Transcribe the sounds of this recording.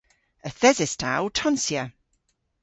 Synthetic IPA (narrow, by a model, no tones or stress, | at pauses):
əθɛzɛstʰa̰wtʰɔnsjə